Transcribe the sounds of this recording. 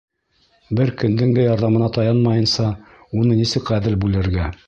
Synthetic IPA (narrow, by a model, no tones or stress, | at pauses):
bɘɾkɵ̆nd̪ɘŋd̪æjɑɾðɑmɤ̆nɑt̪ɑjɑnmɑjɤ̆nsɑ | unɤnisɘkʁæðɘlbʉlɘ̆ɾɡæ